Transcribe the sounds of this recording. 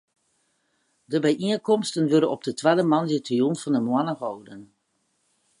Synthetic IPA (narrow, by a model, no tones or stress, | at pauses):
dəbɛjʔiənkɔmstənʋøɾənɔp̚dətʋadəmɑnjətrijunfɔndəmwanərowdən